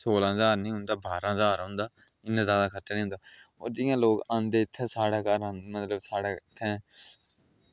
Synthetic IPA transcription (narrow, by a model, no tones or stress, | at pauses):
soːlaːɦəzaːɾnĩːɦʊ̃nd̪aːbaːɾaːɦəzaːɾɦʊ̃nd̪aː | ɪnãːzjaːd̪aːkʰəʈːnĩːɦʊ̃nd̪aːo̰ːɾd͡ʒɪjãːloːkãːnd̪eːɪt̪ʰːɛ̃ːsaːɽaːkəɾmət̪ləbsaːɽeːɪt̪ʰːɛ̃ː